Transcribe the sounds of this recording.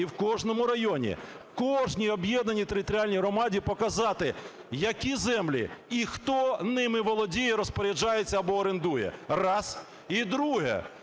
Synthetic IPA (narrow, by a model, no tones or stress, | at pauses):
iwkɔʒnɔmʊɾɐjɔnʲḭ | kɔʒnʲiɔbjɛd̪nɐnʲit̪eɾɪt̪ɔɾʲialʲnʲijɦɾɔmɑdʲipɔkɐzɑt̪ɪ | jɐkʲizɛmlʲḭixt̪ɔnɪmɪʋɔlˠɔdʲijɛɾɔspɔɾʲɪd͡ʒɑjet͡sʲːɐɐbɔːɾend̪ujɛ̰rɑs | id̪ɾuɦɛ̰